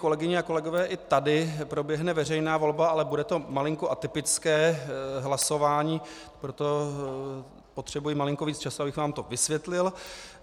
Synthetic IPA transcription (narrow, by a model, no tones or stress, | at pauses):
kolɛɡɪɲɛako̞lɛɡo̞vɛːʔɪt̪adɪpɾo̞bjɛɦnɛvɛrɛjnaːvo̞lbaalɛbudɛt̪o̞malɪŋkoʔat̪ɪpɪt͡skɛːɦlaso̞vaːɲiː | pɾot̪o̞ | po̞t̪r̝̥ɛbujɪmalɪŋkoviːt͡st͡ʃasuabɪxvaːmt̪o̞vɪsvʋjɛt̪lɪl